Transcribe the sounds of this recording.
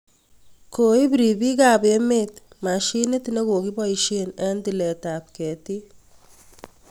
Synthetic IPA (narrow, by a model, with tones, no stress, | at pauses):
ko˨i˦biɾi˨bi˦kabe˦met | ma˨ʃi˦ne˦tne˦ko˨ki˦bɔ˦iʃenɛndilɛ˨tap̚kɛ˨ti˦